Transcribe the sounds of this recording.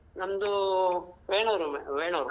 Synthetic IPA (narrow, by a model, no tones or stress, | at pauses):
nɐmd̪u | ʋeːɳɐɾumḛʋeːɳɐːɾu